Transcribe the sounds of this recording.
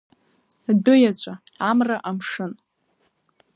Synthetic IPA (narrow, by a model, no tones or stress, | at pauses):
dʊjat͡ɕʷʼa | amraʔamʂɨn